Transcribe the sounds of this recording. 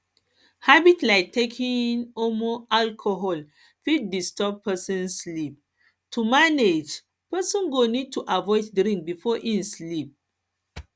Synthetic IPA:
habitlaɪk̚tʰekʰĩnomoʔalkʰoɦɔl | fid̚distɔb̚pɛsɔ̃nslip̚ | tʰumaned͡ʒ | pɛsɔ̃nɡonid̚tʰuʔavɔɪddɾĩŋk̚bifɔʔĩnslip̚

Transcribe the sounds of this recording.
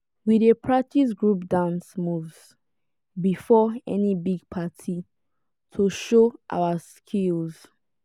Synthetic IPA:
widepʰɹak̚tis̬ɡɹupdãnsmuvz̥ | bifɔɛ̰nibiɡ̚pʰatʰi | tʰuʃoʔa̰ʊaskʰilz̥

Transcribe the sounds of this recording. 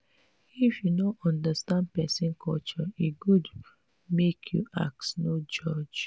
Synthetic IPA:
ifjunoʔɔ̃ndastãnd̚pɛsĩnkʰɔlt͡ʃɔiɡud | mekʰjṵʔa̰k̚tnod͡ʒɔd͡ʒ

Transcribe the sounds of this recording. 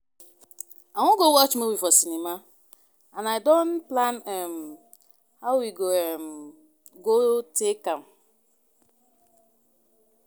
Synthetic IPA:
aŋʷʊɡowɔt͡ʃmowifɔsinima | anaɪdon̩planɛm̩ | hawiɡom̩ | ɡotekam̩

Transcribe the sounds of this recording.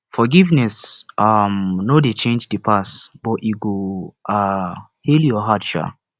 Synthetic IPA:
fɔɡivnɛsamnodet͡ʃẽnd͡ʒdepʰasb̥ɔtiɡoa | heljɔɦatʃa̰

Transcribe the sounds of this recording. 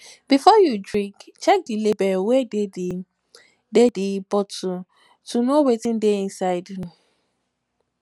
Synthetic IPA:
bifɔjudɹĩkt͡ʃɛk̚dilebɛwed | dedebɔtu | tunowetĩndeĩnsaɪdju

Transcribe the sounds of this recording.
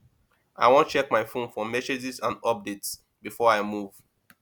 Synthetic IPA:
ʔaɪwɔ̃n̚t͡ʃɛk̚maɪfõnfɔmɛsed͡ʒisãndɔp̚dets | bifɔɹaɪmuv̥

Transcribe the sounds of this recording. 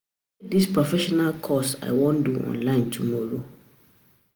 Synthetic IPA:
dispʰɹofɛʃɔnalkʰɔsa̰ɪwɔ̃nduʔɔ̰̃nlãɪ̃ntʰumɔɾo

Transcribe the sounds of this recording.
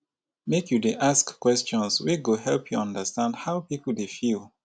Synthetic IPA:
mekjudeʔaskkwɛst͡ʃɔ̃nswiɡohɛlpʰjuʌ̃ndəstãndhaʊpipəldefilˠ

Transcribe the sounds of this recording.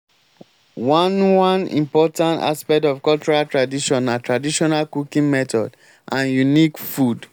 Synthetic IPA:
wãnwãnḭ̃mpɔtãnta̰spɛk̚tɔfkɔlt͡ʃuɹaltɹadiʃɔ̃natɹadiʃɔnalkukĩŋmɛtɔd | ʔãnjunikfud

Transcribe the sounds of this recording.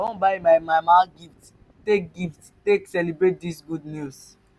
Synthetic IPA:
õnbaɪmaɪmajmãnɡift | tek̚ɡift | teksɛlibɹet̚disɡudnus

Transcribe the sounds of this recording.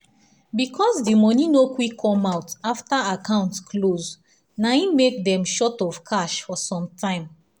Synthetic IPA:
bikʰɔsdimɔninokwikʰːɔ̃maʊtaftaakãʊ̃ntkʰloz | naĩmek̚dɛ̃mʃɔtɔv̥kʰaʃfɔsɔ̃mtʰãɪ̃m

